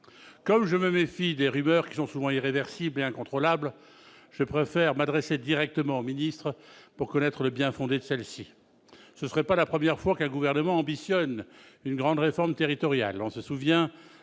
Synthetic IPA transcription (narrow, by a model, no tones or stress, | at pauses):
kɔmʒəməmefid̪eʁymœʁkʲi̥sɔ̃suvɑ̃iʁevɛʁsibleɛ̃kɔ̃t̪χɔlabl | ʒ̥əpχefɛʁmad̪ʁesed̪iʁɛk̚t̪əmɑ̃ominist̪χəpuʁkɔnɛt̪χələbjɛ̃fɔ̃d̪ed̪əsɛlsi | səsəʁɛpalapχəmjɛʁfwakɛ̃ɡuvɛʁnəmɑ̃ɑ̃bisjɔnynɡʁɑ̃d̪ʁefɔʁmt̪eʁit̪ɔʁja̰lɔ̃səsuvjɛ̃